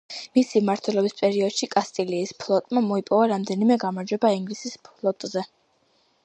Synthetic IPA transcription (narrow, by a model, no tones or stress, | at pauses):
misimaɾt̪ʰwɛlˠɔbispʼɛɾiɔd̪̥ʃikʼast̪ʼiliːspʰlˠɔt̪ʼmamɔipʼɔvaɾamd̪ɛnimɛɡamaɾd͡ʒwɛbaiŋɡlisispʰlˠɔt̪ʼzɛ